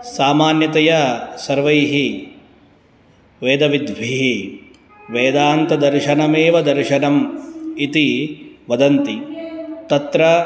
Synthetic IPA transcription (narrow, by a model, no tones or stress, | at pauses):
saːmaːnjɐt̪ɐjɐsɐɾʋɐjɦi | ʋeːd̪ɐʋid̪ʋʱiɦi | ʋeːd̪aːnt̪ɐd̪ɐɾʃɐnɐmeːʋɐd̪ɐɾʃɐnɐmit̪iʋɐd̪ɐnt̪it̪ɐt̪ɾɐ